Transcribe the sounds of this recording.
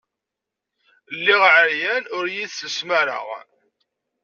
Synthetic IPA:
lːiʁʕəɾjænʊɾjiðsəsmaɾə̰ʁ

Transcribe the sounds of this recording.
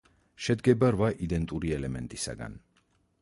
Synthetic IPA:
ʃɛd̪ɡɛbaɾvaʔid̪ɛnt̪ʼuɾiɛlɛmɛnt̪ʼisa̰ɡa̰n

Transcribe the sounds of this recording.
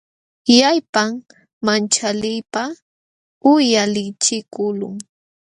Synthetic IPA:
jajpam | mant͡ʃalɪjpa | ʊjalɪt͡ʃɪkʊlʊ̰ŋ

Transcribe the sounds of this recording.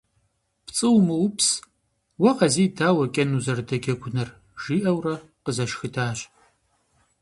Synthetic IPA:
pt͡sʼɨwmɨwpʰs | wɐqɐziːdʰaːwɐkʲʼɐnuzɐrdɐɡʲɐɡʷʰʊnɐr | ʒ̥iːʔɐwrɐ | qəzɐʃxɨdʰaːɕʼ

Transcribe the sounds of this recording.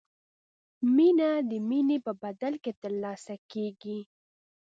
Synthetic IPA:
minad̪əminepəbad̪alket̪əɾlɑsakeɡi

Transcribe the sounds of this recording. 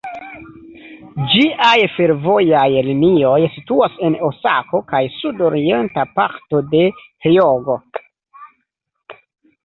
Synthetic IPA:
d͡ʒiʔajfe̞ɾvo̞jajlinio̞jsituase̞no̞sako̞kajsudo̞ɾie̞ntapakto̞de̞heoɡo̞

